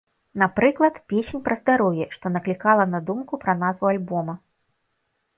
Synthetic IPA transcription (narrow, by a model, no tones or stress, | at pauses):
napɾɨklˠɐt̪pʲesʲenʲpɾɐzd̪aɾɔwjɛʂt̪ɔnɐklʲikalˠɐnad̪umkupɾɐnazvualʲbɔmɐ